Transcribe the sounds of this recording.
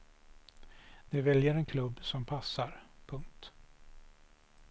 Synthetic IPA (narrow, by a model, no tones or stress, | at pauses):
d̪ɛvɛljəɾɛnkʰlɵbːsɔmpʰasːaɾpʰɵŋk̚t̪